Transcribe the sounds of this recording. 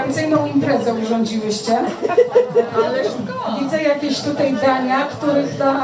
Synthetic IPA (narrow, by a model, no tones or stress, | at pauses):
ant̪sɘjnɔ̃w̃impɾɛzɛuʐɔɲd͡ʑiwɘɕt͡ɕɛ | alɛ | vʲid̪zɛjakʲeɕt̪ut̪ajd̪aɲakt̪uɾɘt̪a